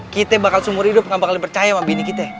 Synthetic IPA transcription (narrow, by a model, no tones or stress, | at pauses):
kit̪ɛbakalsumʊrhidʊp̚ŋabakalipərt͡ʃajamabinikit̪ɛ